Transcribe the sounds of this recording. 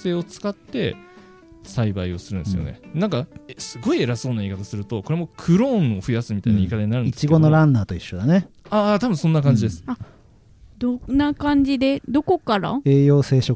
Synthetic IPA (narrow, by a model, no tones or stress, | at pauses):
se̞ːo̞t͡sɨ̥kat̪ːe̞̰ | saibaio̞sɨɾɯ̟̃nɨsɨjo̰nḛnãŋkaesɨɡo̞ie̞ɾaso̞ːnaiːkat̪asɨɾɯ̟t̪o̞ko̞ɾe̞mo̞kʰɯ̟ɾõ̞ɴoɸɯ̟jasɨmʲit̪ainaikat̪aɲinaɾɯ̃nit͡ɕiɡo̞no̞ɾãnːaːt̪o̞iɕːo̞d̪ane̞at̪abɯ̟̃sõnːakãɲ̟d͡ʑid̪e̞sɨ̥a | d̪onakãɲ̟d͡ʑid̪e̞d̪o̞ko̞kaɾa̰e̞ːjo̞ːse̞ːɕo̞k